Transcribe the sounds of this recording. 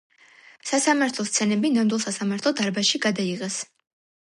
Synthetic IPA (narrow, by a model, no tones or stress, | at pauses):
sasamaɾt̪ʰlˠɔst̪sʰɛnɛbinamd̪wilˠsasamaɾt̪ʰlˠɔd̪aɾbaʃiɡad̪aiʁɛs